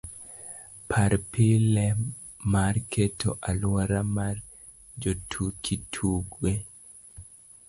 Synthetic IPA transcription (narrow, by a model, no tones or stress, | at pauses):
pʰaɾpilɛ | markʰeto̰ʔalwɔɾamar | d͡ʒotʰukʰitʰuɡwe